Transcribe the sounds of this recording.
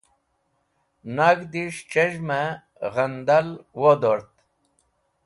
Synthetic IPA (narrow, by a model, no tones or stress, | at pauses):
naɡd̪iʂt͡ɕeʑma | ʁənd̪alwod̪oɾt̪̚